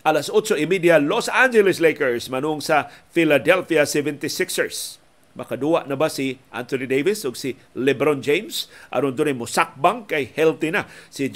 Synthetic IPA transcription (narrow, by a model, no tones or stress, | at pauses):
ʔalasʔʊtt͡ʃoɪmid̪jalosand͡ʒɛlɪslejkəɹsmanuʊŋsɐfɪlad̪ɛlfiasɛvɛnt̪ɪsɪksəɹs | mʔɐkad̪uaʔnabasɪʔa̰nt̪onid̪ejvɪsʊɡsi | lɛbɾond͡ʒejmsʔa̰ɾʊnd̪onajmʊsak̚baŋkajhɛlt̪ɪnasɪd͡ʒ